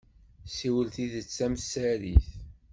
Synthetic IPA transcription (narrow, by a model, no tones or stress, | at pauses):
siwəlθiðət͡sːæmsæɾiθ